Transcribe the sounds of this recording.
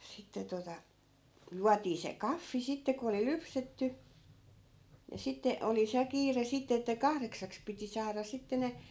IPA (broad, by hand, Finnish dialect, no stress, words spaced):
sitːe totɑ juɑtiː se kɑfːi sitːe ko oli lypsetːy ni sitːe oli se kiːre sitːe etːæ kɑhreksɑks piti sɑːrɑ sitːe ne